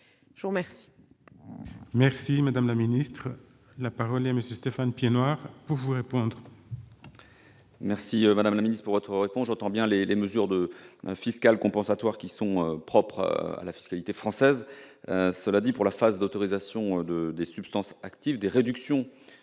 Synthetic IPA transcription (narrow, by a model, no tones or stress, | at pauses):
ʒəvuʁmɛʁsi̥ | mɛʁsimad̪amlaminist̪χ | lapaʁɔlɛaməsjøst̪efanpjenwaʁpuʁvuʁepɔ̃d̪ʁ | mɛʁsiømad̪amlaminist̪χəpuʁvɔt̪χəʁepɔ̃sʒɑ̃t̪ɑ̃bjɛ̃leleməzyʁd̪əfiskalkɔ̃pɑ̃sat̪waʁkʲisɔ̃øpχɔpχa̰lafi̥skalit̪efχɑ̃sɛzøsəlad̪ipuʁlafazd̪ot̪ɔʁizasjɔ̃d̪əd̪esypst̪ɑ̃sakt̪ivd̪eʁed̪yksjɔ̃